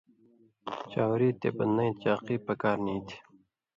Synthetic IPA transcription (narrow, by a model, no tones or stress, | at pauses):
t͡ɕaːwɾiːt̪ḛːbɐnnɐ̃jt͡ɕaːqiːpəkaːɾniːt̪ʰi̥